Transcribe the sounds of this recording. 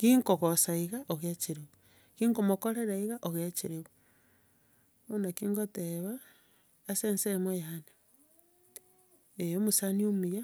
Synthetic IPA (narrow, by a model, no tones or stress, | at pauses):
kiŋkoɣosaiɣaʔoɣjat͡ʃiɾeβu | kiŋkomokoɾeɾaiɣaʔoɣat͡ʃiɾeβu | onakiːŋɡoteβaː | seːnsemwejaːne | ejomusaniomuja